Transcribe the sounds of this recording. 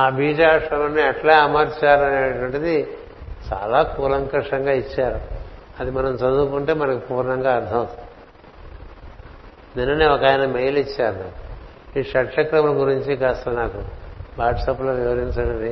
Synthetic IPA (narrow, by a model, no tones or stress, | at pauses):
aːbʱiːd͡ʒaːʂɐlɐnːiɛʈlaɐmɐɾt͡ʃaːɾɐneːʈʋɐɳʈɐd̪i | t͡ʃa̰ːlaːkuːlɐŋkɐʂɐŋɡaːit͡ʃːaːɾuɐd̪imɐnɐmt͡ʃɐd̪uːkuɳʈe̞ːmɐnɐkipuːɾnɐŋɡaːɾd̪ʱɐmɐt̪ | ninːɐneːɔkaːjinɐmejlit͡ʃːaːɾɐna | iːʂɐʈʂɐkɾɐmɐlɐɡuɾiɲt͡ʃikaːst̪ɐnaːkuʋaːʈsɐploːʋiʋɐɾiɲt͡ʃɐɳɖɐd̪i